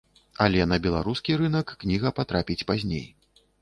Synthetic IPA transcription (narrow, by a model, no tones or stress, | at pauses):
ɐlʲɛnɐbʲɛlˠaɾuskʲiɾɨn̪ɐkːnʲiɣɐpat̪ɾapʲit͡sʲpazʲnʲḛj